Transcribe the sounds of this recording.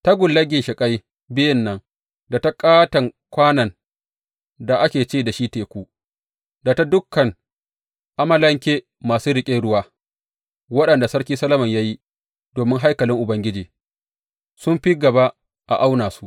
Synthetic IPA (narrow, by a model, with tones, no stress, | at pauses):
ta˦ɡʷʊ˨lːɐ˦ɡʲɪ˨ʃɪ˨kʼa˦j | bɪ˦jɪ˦nːɐ˦ŋ | da˨ta˦kʼaː˦tɐ˨ŋkʷaː˦nɐ˨n | da˨ʔa˦kʲeː˨t͡ʃeː˦˨da˨ʃiː˦teː˨kʷu˦ | da˨ta˦dʊ˦kːɐ˨ŋ | ʔa˦mɐ˦lɐ˦ŋkʲeː˦ | maː˨suː˦ɽɪ˨kʲʼe˦ɽʊ˦waː˦ | wɐ˦ɗɐ˨nda˨sɐ˦ɽkʲiː˦sɐ˦lɐ˦mɐ˨ɲja˦ji˦ | doː˨mɪ˦ŋɦa˦jkɐ˨lɪ˦ŋʔʊ˨bɐ˦ŋɡʲɪ˦d͡ʒiː˨ | sʊ˦mɸi˦ɡɐ˨ba˦ | ʔa̰˨ʔa˦wnaː˨su˦ʔ